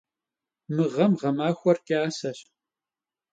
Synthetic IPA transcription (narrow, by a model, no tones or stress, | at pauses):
mɨʁɐmʁɐmaːxʷɔrkʼiaːsɐɕ